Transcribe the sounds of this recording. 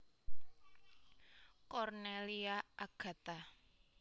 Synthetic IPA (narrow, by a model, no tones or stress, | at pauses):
kɔrneliaʔaɡ̥ä̤t̪a